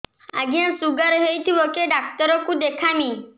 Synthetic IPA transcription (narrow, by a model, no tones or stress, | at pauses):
aɡiãsuɡəɾɦejt̪ʰibokeɖak̚t̪ɔɾɔkũd̪ekʰamĩ